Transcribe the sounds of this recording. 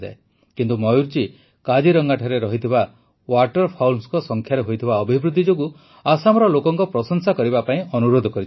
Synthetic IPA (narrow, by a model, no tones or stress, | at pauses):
d͡ʒae | kint̪umɔjuɾt͡ʃi | kad͡ʒiɾɔŋɡaʈʰaɾeɾɔɦit̪ʰiba | waʈɔɾpʰawlmskɔsɔŋkʰjaɾeɦojt̪ʰibaɔbʱibɾud̪ʱːid͡ʒoɡu | asamɔɾɔlokɔŋkɔpɾɔsɔnsakɔɾibapaĩɔnuɾod̪ʱɔkɔɾit͡ʃʰ